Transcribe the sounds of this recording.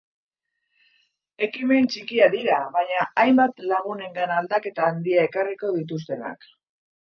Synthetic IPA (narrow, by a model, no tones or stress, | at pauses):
e̞kime̞nt͡ʃikiaðiɾaβaɲaʔajmbat̪laɣ̞une̞ŋɡanald̪ake̞t̪aːnd̪iae̞kariko̞ð̞it̪̬us̬t̪e̞na̰k